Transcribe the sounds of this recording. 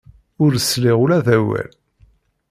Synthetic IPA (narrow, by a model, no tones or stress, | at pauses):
ʊɾəslɪʁulæðæwæ̰l